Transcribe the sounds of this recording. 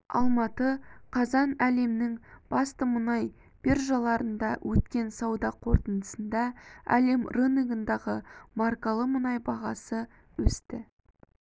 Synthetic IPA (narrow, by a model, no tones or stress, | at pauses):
ɑ̰lˠmɑt̪əqʰɑzɑnæle̞mnɪŋb̥ɑst̪əmʊnɑj | b̥eɾʒɑlˠɑɾənd̪ɑwʔɵt̪kʲe̞nsɑwd̪ɑqʰo̞ɾt̪ənd̪əsənd̪ɑæ̰le̞mroniɡənd̪ɑʁəmɑrkɑlˠəmʊnɑjbɑʁɑsə | wɵst̪ɪ